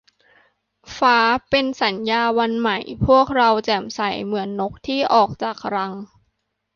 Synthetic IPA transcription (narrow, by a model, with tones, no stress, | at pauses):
faː˦˥pe˧nsa˩˦njaː˧wa˧nma˨˩jpʰu˥˩ək̚ɾa˧wt͡ɕɛː˨˩msa˨˩˦jmɯ˩˦ənːo˦˥k̚t̪ʰiː˥˩ʔɔː˨˩k̚t͡ɕaː˨˩k̚ɾa˧ŋ